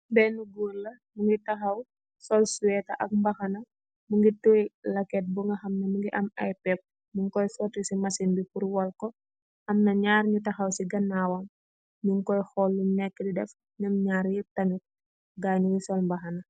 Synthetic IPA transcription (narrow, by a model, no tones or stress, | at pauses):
bɛnuɡurlɐ | muŋɡitɐxɐw | sɔlsuwɛtɐʔɐk̚mbɐxɐnɐ | muŋɡituilɐkɛt̚buŋɡɐxɐmnɐmuŋɡiʔɐmɐ̰jpɛk̚ | muŋkɔjsɔtisimɐsinbikuɾwɔlkɔ | xɐmnɐɲaːrɲutɐxɐwsiɡɐnaːwɐm | ɲuŋkɔjxɔlːunɛkːədidɛf | ɲumɲaːɾjitɐnit̚ | ɡaːɲuŋisɔlmbɐxɐnɐ